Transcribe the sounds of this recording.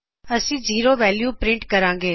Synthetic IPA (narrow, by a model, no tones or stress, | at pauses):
əsĩːziːɾoʋɛːljuːpɾɪ̃ɳʈkɐɾãːŋɡeː